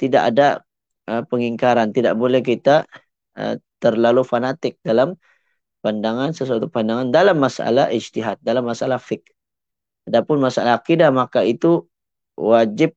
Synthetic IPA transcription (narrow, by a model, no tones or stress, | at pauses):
t̪ida̰ʔa̰da | əpəŋiŋkaɾant̪ida̰ʔbolɛhkit̪a | ə̰t̪ərlalufanat̪ɪk̚dalam | pandaŋansəsuat̪upandaŋandalamːasa̰lahid͡ʒt̪iɦat̪̚dalamːasalahfɪk̚ | adapʊnmasalaɦakidamakait̪u | wad͡ʒɪp̚